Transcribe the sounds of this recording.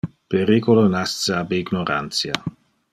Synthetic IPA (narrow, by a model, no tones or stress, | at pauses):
peɾikolonast̪seabeiɡnoɾa̰nt̪sja